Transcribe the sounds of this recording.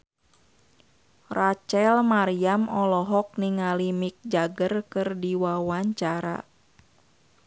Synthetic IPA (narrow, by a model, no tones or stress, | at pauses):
rat͡ʃɛlmaɾiamɔlɔɦɔk̚niŋalimik̚d͡ʒaɡərkɨrdiwawaɲt͡ʃaɾa̰